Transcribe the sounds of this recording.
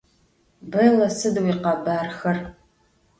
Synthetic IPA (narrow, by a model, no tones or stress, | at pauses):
bɐlɐsɨdwiːqɑbaːrxɐr